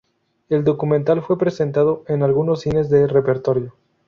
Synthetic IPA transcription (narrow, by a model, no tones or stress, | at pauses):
e̞ld̪o̞kumẽnt̪alfwe̞pɾe̞se̞nt̪að̞o̞enalɣuno̞sine̞zðe̞re̞peɾt̪o̞ɾjo̞